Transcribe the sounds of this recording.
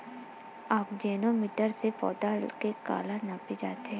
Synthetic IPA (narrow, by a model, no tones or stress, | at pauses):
aːpd͡ʒɛːnomɪʈəɾsepɔ̰ːd̪akeka̰ːlanaped͡ʒa̰ːt̪e